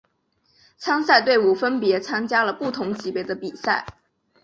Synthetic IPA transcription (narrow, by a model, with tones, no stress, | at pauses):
t͡sʰɑ˥ŋsa˥˧ɪt̪we˥˩ɪu˨˩fə˥npjɛ˧˥t͡sʰa˥ŋt͡ɕja˥lə˨pu˥˩t̪ʰʊ˧˥ŋt͡ɕi˧˥pe˧˥ɪd̪ə˧pi˨˩sa˥˩ɪ